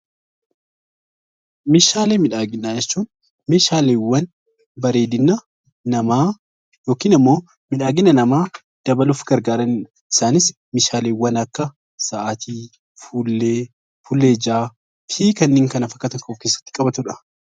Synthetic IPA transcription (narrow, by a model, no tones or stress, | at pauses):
meːʃaːleːmɪᶑaːɡɪnːaːd͡ʒɛt͡ʃːuːn | meːʃaːleːwːɐn | bɐɾe̞ːd̪ɪnːa | nɐmaː | jo̞ːkiːnɐmːo̞ː | mɪᶑaːɡɪnːɐnɐmaː | d̪̥ɐbɐlʊfɡ̥ɐɾɡaːɾɐnɪ | ɪ̥saːnɪs | meːʃaːleːwːɐnɐkːɐ | sɐːʔat̪ʰiː | fuːlːeː | fulːeːd͡ʒaː | fiːkɐnːɪːŋkɐnɐfɐkːɐt̪ɐŋkːɔfkeːsːɐ̥t̪ːɪ̥kʼɐbɐt̪ʊᶑɐ̥